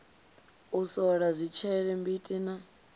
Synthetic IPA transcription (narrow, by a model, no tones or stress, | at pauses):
usɔɺazʷit͡ʃʰɛɺɛmbitʼina